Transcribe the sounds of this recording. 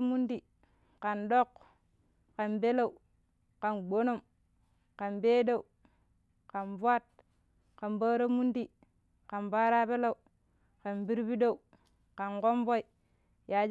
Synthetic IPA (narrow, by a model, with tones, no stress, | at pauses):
mu˦ndi˨ | ka˨nɗo˦˨k | ka˨nbe˦la˦u˨ | ka˨nɡ͡bo˦no˦˨m | ka˨nbe˦da˦˨u˨ | ka˨nbwa˦˨t̚ | ka˨nba˦ɾa˦mu˦ndi˨ | ka˨nba˦ɾa˦be˦la˦˨u˨ | ka˨nbi˦ɾbi˦da˦˨u˨ | ka˨nko˦mbo˦i˨ | ja˨d͡ʒ